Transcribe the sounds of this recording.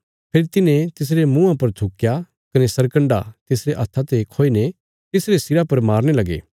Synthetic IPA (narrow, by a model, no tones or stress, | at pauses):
pʰeːɾit̪ɪnẽt̪ɪs̬ɾemũãpɐɾt̪ʰʊkːja | kɐnesɐɾkɐ̃ɳɖa̰t̪ɪsɾeʔɐt̪ʰat̪ekʰoːine | t̪ɪsɾesɪɾapɐɾmaːɾñelɐɡḛː